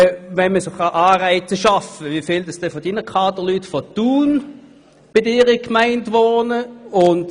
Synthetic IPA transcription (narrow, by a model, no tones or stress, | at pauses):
vɛnməsoχɑʔaːʁaɪt͡səʃɑfəʋifɪːldɑsd̥ɛfodinəkʰɑːdəlytfɔtuːn | b̥ɪdɪːʁikmaæɪndʋoːnəʊnd